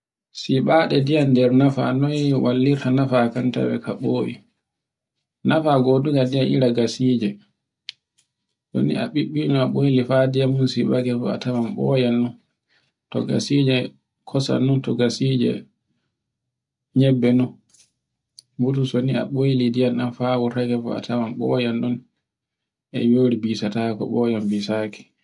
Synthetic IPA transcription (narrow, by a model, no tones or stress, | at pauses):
siɓaɗɛdijandɛɾnafa̰nɔjwalːiɾtanafakanta̰wɛ̰kʰaɓoːʔi | nafaɡoduɡadianʔḭɾaɡasid͡ʒɛ | so̰nḭa̰ɓiɓːinuaɓojlifadijamunsiɓakɛfɔ̰a̰tamamɓɔ̰janːun | tɔ̰ɡa̰sid͡ʒɛ | kʰɔsa̰nːuntɔɡasid͡ʒɛ̰ | ɲɛbːɛnun | butusonia̰ɓojlidijanɗanfaːwuɾakɛfɔ̰a̰tʰamamɓɔjanɗun | ʔɛ̰joːɾibisatakɔ̰ɓɔjambisaːkɛ̥